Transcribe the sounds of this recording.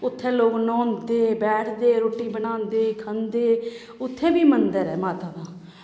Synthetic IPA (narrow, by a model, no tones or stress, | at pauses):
ʊt̪ʰːẽːloːknɔːnd̪eːbɛːʈʰd̪eːɾoːʈiːbənãːnd̪eːkʰənd̪eː | ʊt̪ʰːẽːbiːmənd̪əɾɛːmaːt̪aːd̪ãː